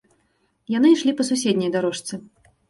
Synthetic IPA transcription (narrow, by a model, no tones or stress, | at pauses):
janɨʂlʲipɐsusʲed̪ʲnʲɐjd̪aɾɔʂt̪sɨ